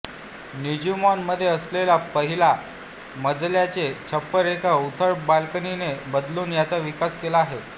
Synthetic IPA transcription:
nid͡ʑumanməd̪ʱːjeəslelapəɦila | məd͡zljat͡set͡ɕʰəpːəɾekaut̪ʰəɾbalkəninebəd̪luːnjat͡saʋikaskelaːɦe

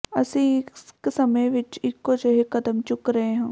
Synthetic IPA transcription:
ə̰sĩːɪsksəmẽʋɪt͡ʃɪkːod͡ʒəɦekəd̪əmt͡ʃʊkɾəɦeːɦãː

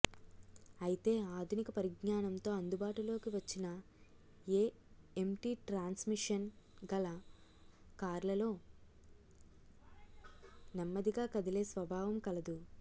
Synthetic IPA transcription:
ɐjit̪e̞ːaːd̪ʱunikɐpɐɾiɡɲaːnɐnt̪o̞ːɐnd̪ubaːʈulo̞ːkiʋɐt͡ʃːinɐ | eː | emʈiːʈɾaːnsmiʂɐnɡɐlɐ | kaːɾlɐlo̞ː | nɐmːɐd̪iɡaːkɐd̪ile̞ːsʋɐbʱaːʋɐmkɐlɐd̪u

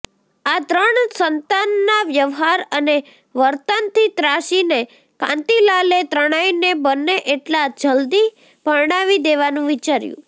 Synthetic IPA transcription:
at̪ɾəɳsənt̪anːaʋjəʋɦaɾəne | ʋəɾt̪ənt̪ʰit̪ɾaʃine | kã̰nt̪ilalet̪ɾəɽ̃ajnebənːeʔeʈlad͡ʒəld̪i | pəɾɳaʋid̪eʋanũʋit͡ʃaɾjṵ̃

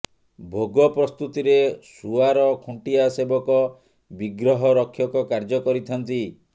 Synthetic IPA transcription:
bʱoɡɔpɾɔst̪ut̪iɾesuaɾɔkʰuɳʈiasebɔkɔ | biɡɾɔɦɔɾɔkʰːjɔkɔkaɾd͡ʒɔkɔɾit̪ʰɔnt̪i

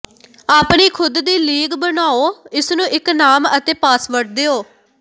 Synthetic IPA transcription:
aːpɳiːkʰʊd̪d̪iːliːɡbənaːoːɪsnũːʔɪknaːmət̪eːpaːsʋəʈ̚d̪eːoː

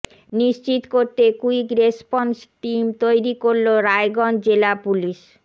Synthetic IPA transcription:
niʃt͡ɕit̪koɾt̪ekuikɾespɔnsʈimt̪ojɾikoɾloɾaeɡɔnd͡ʑelapuliʃ

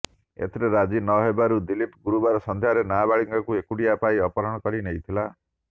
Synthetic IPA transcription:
ḛt̪ʰɾeɾad͡ʒinɔɦebaɾud̪ilipɡuɾubaɾɔsɔnd̪ʱjaɾenabaɭiŋkakuekuɽijapaiɔpɔɾɔɽ̃ɔkɔɾinejt̪ʰila

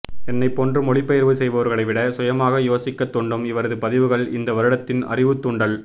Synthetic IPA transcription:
ɛnːɐɪpːɔndrɯmɔɭɪpːɐjɐɾʋɯsɛjʋɐʋɐɾɣɐɭɐɪʋɪɽɐsʊjɐmaːɣɐjoːsɪkːɐt̪ːɔɳɖɯmɪʋɐɾɐðɯpɐðɪʋɯɣɐɭɪnd̪ɐʋɐɾɯɽɐt̪ːɪnɐ̰rɪʋɯt̪ːʊɔɳɖɐɭ

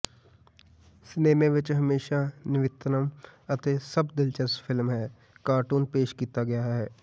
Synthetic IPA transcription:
sneːmẽʋɪt͡ʃɦəmeːʃanɪʋɪt̪nəmɐt̪esəbd̪ɪlt͡ʃəsfʰɪlmɦɛː | kaːɾʈuːnpeːʃkiːt̪aɡɐjaɦɛː

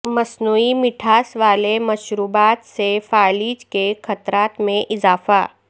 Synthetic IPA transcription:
mɐsnuːimɪʈʰaːsʋaːlemɐʃɾuːbaːt̪sefaːliːd͡ʒkexɐt̪ɾaːt̪mẽʔɪzaːfa̰ː

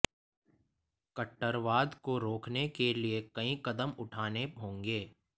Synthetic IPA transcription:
kəʈːəɾʋaːd̪koɾoːkʰnekeliekɐĩkɐd̪əmʊʈʰaːneɦõːŋɡeː

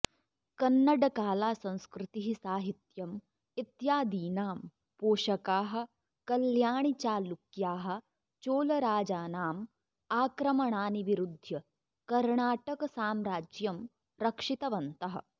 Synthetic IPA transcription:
kɐnːɐɖɐkaːlaːsɐ̃w̃skɾɪt̪iɦisaːɦit̪jɐm | it̪jaːd̪iːnaːm | poːʃɐkaːɦɐ̆ | kɐljaːɳit͡ʃaːlukjaːɦɐ̆ | t͡ʃoːlɐɾaːd͡ʒaːnaːm | aːkɾɐmɐɳaːniʋiɾud̪ʱjɐ | kɐɾɳaːʈɐkɐsaːmɾaːd͡ʒjɐm | ɾɐkʂit̪ɐʋɐnt̪ɐɦɐ̰̆

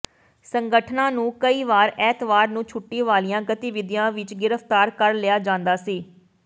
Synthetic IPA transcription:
səŋɡəʈʰnãːnũːkəiːʋaːɾɛːt̪ʋaːɾnũːt͡ʃʰʊʈːiːʋaːlijãːɡət̪ɪʋɪd̪ijãːʋɪt͡ʃɡɪɾəpʰt̪aːɾkəɾlɪjaːd͡ʒãːnd̪aːsiː

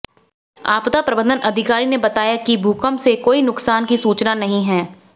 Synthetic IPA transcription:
a̰ːpt̪apɾɐbə̃nd̪ənʔɐd̪ʱɪkaːɾinebɐt̪aːjakibʱuːkəmsekoːinʊksaːnkisuːt͡ʃnanɐɦĩɦɛː

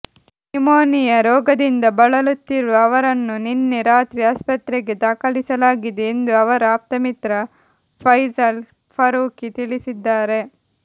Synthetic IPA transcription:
imoːnijɐɾɔːɡɐd̪ind̪ɐbɐɭɐlut̪ːiɾuɐʋɐɾɐnːuninːeɾaːt̪ɾiaːspɐt̪ɾeɡe̞d̪aːkɐɭisɐlaːɡid̪eːnd̪uɐʋɐɾɐaːp̚t̪ɐmit̪ɾɐ | pʰɐjzɐl | pʰɐɾuːkit̪ilisid̪ːaːɾe̞

